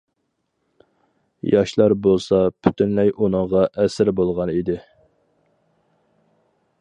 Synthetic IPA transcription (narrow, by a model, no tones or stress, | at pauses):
jɑʃlˠɑɾbolˠsɑpʰy̥t̪ynlɛjunɨŋʁɑʔɛsɪɾbolˠʁɑnid̪ɪ